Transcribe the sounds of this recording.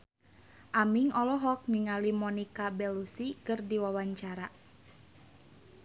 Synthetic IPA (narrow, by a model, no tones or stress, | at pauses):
ʔamiŋɔlɔɦɔk̚niŋalimɔnikabɛlusikɨrdiwawaɲt͡ʃaɾa